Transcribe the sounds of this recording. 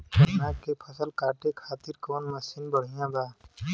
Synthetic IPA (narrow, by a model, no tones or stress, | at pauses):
nãkepʰəsəlkaːʈekʰaːt̪iɾkoːnməsinbəɽ̤ijãbaː